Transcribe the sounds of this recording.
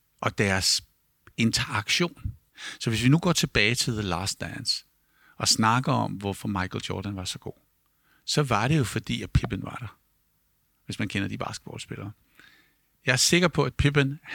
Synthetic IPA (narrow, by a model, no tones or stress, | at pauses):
ʔɒ̽d̥æɐs | e̝nt͡sʰɐɑ̈ɡ̥ɕo̝̰ːn | sɒ̽ʋe̝s̬ʋinuɡ̥ɒ̰ːt͡sʰe̝b̥ɛːɪt͡sʰe̝lðelɑ̰̈ːsd̥æns | ɒ̽snɑ̈ɡ̥ɐɒ̽mʋɒfɒ̽mɑ̈ɪkʰl̩j̥ɒ̰ːɾ̥ænʋɑ̈sɒ̽ɡ̥o̝̰ː | sɒ̽ʋɑ̈ɾ̥e̝jo̝fɒ̽d̥ḭːæpʰib̥ənʋɑ̈ɾ̥ɑ̈ | ʋe̝smænkʰenɐd̥ib̥ɑ̰̈ːsɡ̥b̥ɒ̰ːd̥sb̥e̝lʔɐː | jɑ̈æɐse̝ɡ̥ɐpʰɒ̽æd̥̚pʰib̥ən